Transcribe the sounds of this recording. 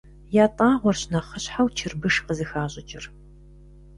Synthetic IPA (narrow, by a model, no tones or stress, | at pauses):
jaːtʼaːʁʷɔrɕnɐχəɕħawt͡ʃʰɪrbɨʂqəzɨxaːɕʼɪt͡ʃʼɪr